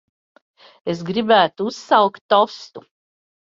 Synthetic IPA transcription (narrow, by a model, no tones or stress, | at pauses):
esɡɾibæːt̪uussawkt̪ːɔst̪u